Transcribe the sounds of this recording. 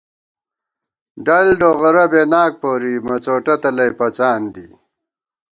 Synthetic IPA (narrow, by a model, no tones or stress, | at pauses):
ɖɐlɖoɣɐɾɐbeːnaːk̚poːɾimɐt͡soːʈɐt̪ɐlɐjpɐt͡saːnd̪i